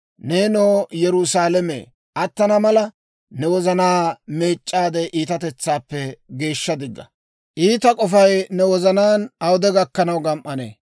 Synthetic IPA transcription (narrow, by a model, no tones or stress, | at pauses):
neːnoːjɛɾʊsaːlɛmḛː | ʔɐt̪ːɐnɐmɐlɐ | nɛwɔzɐnaːme̞ːt͡ʃʼːaːd̪eʔiːt̪ɐt̪ɛt͡sːaːpːɛɡe̞ːʃːɐd̪ɪɡːɐ̰ | ʔiːt̪ɐkʼɔfɐjnɛwɔzɐnaːnɐwd̪ɛɡɐkːɐnɐwɡɐmʔɐnḛː